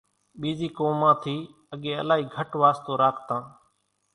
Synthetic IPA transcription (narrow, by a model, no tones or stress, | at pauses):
ɓiːziːkoːmãːt̪ʰiː | əɠeːə̰laːɦiːɡʱəʈʋaːst̪oːɾaːkʰt̪ãː